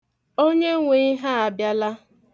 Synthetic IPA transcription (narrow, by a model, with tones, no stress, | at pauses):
o˦ɲe˦ŋʷe˨˦ɦa˦a˨bja˦la˦